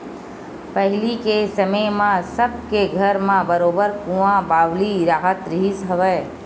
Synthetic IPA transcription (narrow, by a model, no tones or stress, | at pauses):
pəɦɪlikesəməmãsəb̚keɡʱəɾmãbəɾoːbəɾkũãbaːʋliɾaːɦət̪ɾɪɦɪsɦəʋəː